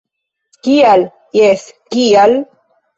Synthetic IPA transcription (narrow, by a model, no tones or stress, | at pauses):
kial | jeskial